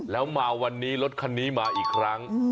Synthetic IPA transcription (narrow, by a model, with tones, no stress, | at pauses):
lɛː˦˥wmaː˧wa˧nːiː˦˥lo˦˥t̪̚kʰa˧nːiː˦˥maː˧ʔiː˨˩kʰɾa˦˥ŋ